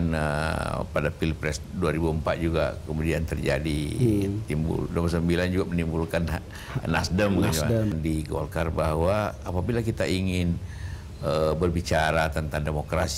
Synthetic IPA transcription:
nə̰padapilpɾɛsduaɾibuəmpat̪̚d͡ʒuɡa̰kəmudiant̪ərd͡ʒa̰dit̪imbṵldoməsəmbiland͡ʒuɡamənimbulkan | na̰sdəmkad͡ʒandiɡo̰lkarbaɦwaapabilakit̪aʔiŋɪn | əbərbit͡ʃaɾat̪ənt̪aŋdemokɾas

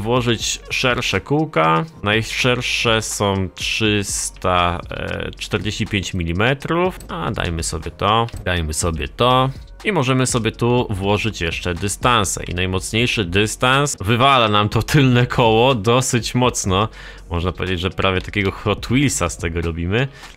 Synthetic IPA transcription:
vwɔʐɘt͡ɕʂɛɾʂɛkuwkanajʂɛɾʂɛsɔ̃w̃tʂɘst̪a̰ | t͡ʂt̪ɛɾd͡ʑeɕt͡ɕipʲjeɲt͡ɕmʲilʲimɛt̪ɾufa̰d̪a̰jmɘsɔbʲjɛt̪ɔd̪ajmɘsɔbʲjɛt̪ɔ | imɔʐɛmɘsɔbʲjɛt̪uvwɔʐɘt͡ɕjɛʂt͡ʂɛd̪ɘst̪ansɛ̰ʔḭnajmɔt̪sɲejʂɘd̪ɘst̪ansvɘvalanamt̪ɔt̪ʰɘlnɛkʰɔwɔd̪ɔsɘt͡ɕmɔt̪snɔ | mɔʐnapɔvʲed͡ʑed͡ʑʐɛpɾavʲjɛt̪akʲɛɡɔxɔt̪wilsast̪ɛɡɔɾɔbʲimɘ

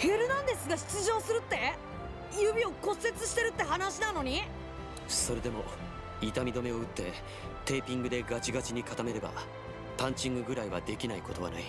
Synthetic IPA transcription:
he̞ɾɯ̟nãnd̪e̞sɨɡaɕi̥t͡sɨʑo̞ːsɨɾɯ̟t̪ːe̞ | jɯ̟bʲio̞ko̞sːe̞t͡sɨɕi̥t̪e̞ɾɯ̟t̪ːe̞ɦanaɕinano̞ɲ̟i | so̞ɾe̞d̪e̞mo̞ | it̪amʲid̪o̞me̞o̞ɯ̟t̪ːe̞ | t̪e̞ːpʲĩŋɡɯ̟d̪e̞ɡat͡ɕiɡat͡ɕiɲ̟ikat̪ame̞ɾe̞ba̰ | pãɲ̟t͡ɕĩŋɡɯ̟ɡɯ̟ɾaiβa̰d̪e̞kʲinaiko̞t̪o̞β̞a̰na̰i

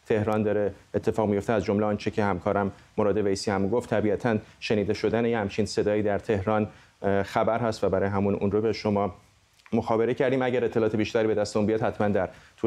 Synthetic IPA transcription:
t̪ʰe̞hɾɒːnd̪ɒːɾeːt̪ʰːe̞fɒːɣmijo̞ft̪eæzd͡ʒo̞mleɒːnt͡ʃʰecʰe̞hæmkʰɒːɾæmːoɾɒːd̪e̞vejsiːhæmɡoft̪ʰːæbiæt̪ʰænʃe̞niːd̪e̞ʃo̞d̪ænejhæmt͡ʃʰiːnse̞d̪ɒːiːd̪æɾt̪ʰe̞hɾɒːn | xæbæɾɦæst̪væbæɾɒːjeɦæmunṵnrobeʃomɒː | moxɒːbe̞ɾecʰæɾd̪iːmæɟæɾet̪ʰːe̞lɒːt̪ʰebiːʃt̪æɾibe̞d̪æst̪eunbijɒːd̪hæt̪mænd̪æɾt̪ʰu

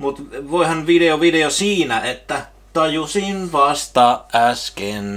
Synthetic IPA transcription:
mut̪ʋoˑihɑnʋideoʋideosiːnæet̪ːæ | t̪ɑjusinʋɑst̪ɑːʔʔæsken

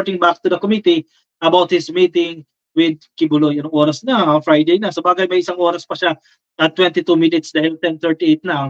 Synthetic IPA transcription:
ɹt̪ɪŋbak̚t̪ud̪ɐkomit̪i | ʔɐbawt̪̚hɪsmiːt̪ɪŋ | wɪd̪̚kɪbʊlojɐnɐŋʔo̞ːɾɐsnɐɐfɹajd̪ejnɐsɐbaːɡɐjmɐjɪsaŋʔo̞ːɾɐspɐʃa | ʔɐt̪ːwɛ̃nt̪it̪umɪnɪt̪sd̪aːhɪlt̪ɛnt̪ɛɹt̪iʔejt̪̚nɐ

